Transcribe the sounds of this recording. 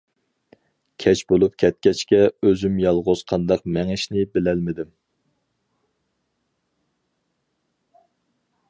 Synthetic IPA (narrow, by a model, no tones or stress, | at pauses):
kʲʰɛt͡ʃbolˠup̚kʲʰɛt̪̚kʲɛt͡ʃkʲɛøzymjɑlˠʁoz̥qʰɑnd̪ɑq̚mɛŋɪʃnɪbɪlɛlmɪd̪ɪm